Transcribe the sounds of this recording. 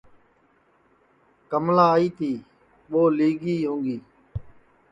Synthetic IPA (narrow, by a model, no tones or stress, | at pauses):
kəmlaːiːt̪iː | ɓoːliːɡiːɦũːŋɡiː